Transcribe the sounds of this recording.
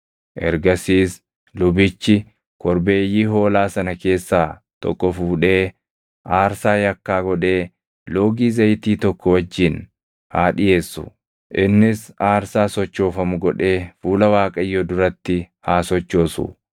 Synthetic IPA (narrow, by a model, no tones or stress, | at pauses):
ʔɛ̰ɾɡɐsiːs | lʊbɪt͡ʃːɪ | kɔɾbe̞ːjiːɦo̞ːlaːsɐnɐke̞ːsːaː | t̪ɔ̰kːɔfuːᶑe̞ː | ʔaːɾsaːjɐkːaːɡɔᶑe̞ː | lo̞ːɡiːzɐjt̪iːt̪ɔkːɔwɐd͡ʒːɪn | haːᶑɪje̞ːsːʊ̰ | ʔɪnːɪsaːɾsaːsɔt͡ʃːo̞ːfɐmʊɡɔᶑe̞ːfuːlɐwaːkʼɐɪjːɔd̪ʊɾɐt̪ːɪ | haːsɔt͡ʃːo̞ːsʊ̰